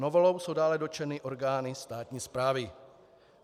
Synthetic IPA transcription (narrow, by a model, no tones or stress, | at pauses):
novolowsowdaːlɛdo̞t͡ʃɛnɪʔoɾɡaːnɪst̪aːt̪ɲiːspɾaːvɪ